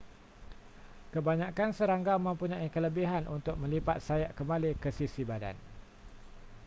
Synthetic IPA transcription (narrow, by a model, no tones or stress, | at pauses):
kəbaɲãkansəɾaŋɡamə̃mpuɲãikələbiɦanʔunt̪ʊk̚mə̃lipat̪̚sajaʔkəmalikəsisibada̰n